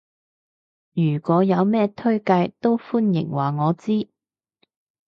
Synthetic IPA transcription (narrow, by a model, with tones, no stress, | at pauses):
jyː˨˩kʷɔː˨˥jɐ˨˧wmɛː˥t̪ʰɵ˥ɥkɐ˧jt̪o˥wfuː˥njɪ̰˨˩ŋwaː˨˩ŋɔː˨˧t͡siː˥